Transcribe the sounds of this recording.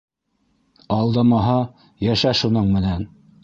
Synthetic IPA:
ɑlˠd̪ɑmɑɦɑ | jæʃæʃunɤɴmɘ̆næn

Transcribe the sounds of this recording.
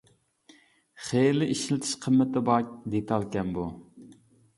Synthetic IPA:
χelɪʔiʃilɪt̪ʰɪ̥ʃqʰəmːɪt̪ɪbɑk̚ʲd̪et̪ʰɑlˠkʲɛnbu

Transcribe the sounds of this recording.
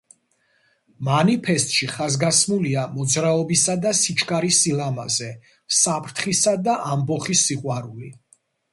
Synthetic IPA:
manipʰɛst̪ʼʃiχazɡasmuliamɔd̪zɾaɔbisad̪asit͡ʃʰkʼaɾisilama̰zɛ | sapʰɾt̪ʰχisad̪aʔambɔχisiqʼwaɾuli

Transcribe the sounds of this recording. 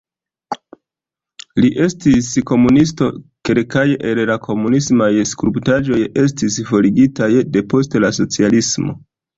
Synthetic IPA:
liʔe̞stisko̞munisto̞ke̞lkajʔellakʰo̞munismajskɾuptaʒo̞je̞s̬tisfo̞ɾiɡitajde̞po̞stelaso̞t͡sialismo̞̰

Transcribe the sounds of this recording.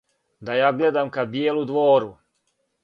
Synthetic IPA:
d̪ajaːɡled̪amkabjeːlud̪ʋoːɾu

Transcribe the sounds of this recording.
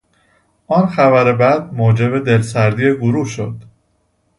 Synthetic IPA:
ʔɒːnxæbæɾe̞bæd̪̚moːd͡ʒe̞be̞d̪e̞lsæɾd̪iːeɡoɾuːhʃo̞d̪̥

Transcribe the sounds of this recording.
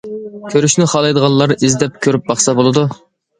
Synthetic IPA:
kʲʰøɾyʃnɪχɑlˠɑjd̪əʁɑnlˠɑɾizd̪ɛp̚kʲʰøɾyp̚bɑχsɑbolˠɨd̪u

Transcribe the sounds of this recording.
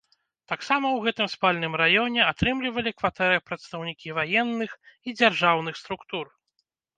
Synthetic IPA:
t̪aksamɐwɣɛt̪ɨmspalʲnɨmɾajɔnʲɛat̪ɾɨmlʲivɐlʲikvat̪ɛɾɐpɾɐt̪st̪ɐwnʲikʲivajɛnːɨxid͡zʲarʐawn̪ɨxst̪ɾukt̪ur

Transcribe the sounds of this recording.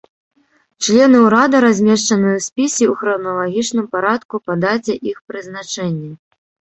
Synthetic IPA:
t͡ʂlʲɛnɨuɾad̪ɐɾazʲmʲɛʂt͡ʂɐnɨjɐsʲpʲisʲiuxɾɐnɐlˠaɣʲit͡ʂnɨmpaɾat̪kupad̪at͡sʲɛʔixpɾɨzn̪at͡ʂɛnʲːɛ

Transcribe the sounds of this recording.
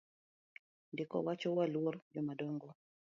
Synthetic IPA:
ndɪkɔ̰wat͡ʃɔwalword͡ʒɔmadɔŋɡɔ

